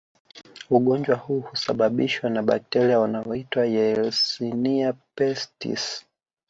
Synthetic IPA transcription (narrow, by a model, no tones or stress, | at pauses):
uɠɔɲd͡ʒwahuhusaɓaɓiʃwanaɓa̰k̚tɛɾiaunaɔitwajɛlsiniapɛstḭs